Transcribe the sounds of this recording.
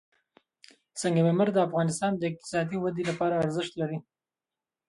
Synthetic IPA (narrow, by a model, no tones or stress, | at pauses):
səŋɡameməɾd̪əafɣɑnɪst̪ɑnd̪əɪq̚t̪ɪ̥sɑd̪iwad̪elapɑɾaːɾzɪʃt̪laɾi